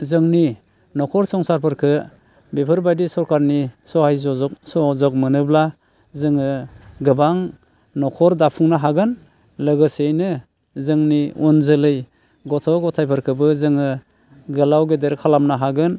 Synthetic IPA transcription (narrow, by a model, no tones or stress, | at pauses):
zɯŋni | nɔkʰɔɾsɔŋsaɾpʰɯɾkʰɯ | bepʰɯɾbajdisɔɾkaɾnisɔhajzɔsɔzɔk̚mɯnɯbla | zɯŋɯɡɯbaŋ | nɔkʰɔɾdapʰuŋnaɦaɡɯn | lɯɡɯsejnɯ | zɯŋniunzɯlɯj | ɡɔtʰɔɡɔtʰajpʰɯɾkʰɯbɯzɯŋɯ | ɡɯlawɡedeɾkʰalamnaɦaɡɯn